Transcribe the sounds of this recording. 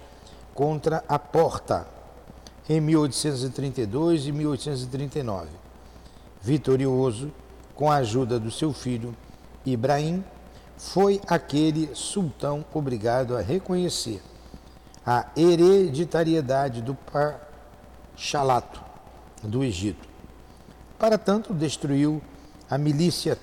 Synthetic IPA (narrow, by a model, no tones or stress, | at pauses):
kõnt̪ɾɐʔapɔɾt̪ɐ̰ | ẽmiwojt̪ʊ̥sẽnt̪̬ʊzɪt̪ɾĩnt̪ejd̪ojzɪmiwojt̪ʊsẽnt̪ʊzɪt̪ɾĩnt̪ejnɔ̰vɪ | vit̪oɾiozʊ | kõw̃ɐaʒud̪ɐd̪ʊsewfiʎʊ | ibɾaĩ | fojakelɪsuwt̪ɐ̃w̃obɾiɡad̪ʊɐɦekõɲeseɾ | ɐeɾed͡ʒit̪aɾied̪ad͡ʒɪd̪ʊpa | ʃalat̪ʊ̥ | d̪ʊeʒit̪ʊ̥ | paɾɐt̪ɐ̃nt̪ʊd̪eʃt̪ɾuiw | ɐmilisiɐ